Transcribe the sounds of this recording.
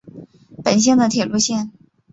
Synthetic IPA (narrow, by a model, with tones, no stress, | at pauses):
pə˨˩nɕ̬jɛ˥˩ŋd̪ə˩t̪ʰjɛ˨˩lu˥˧ɕjɛ˥˩n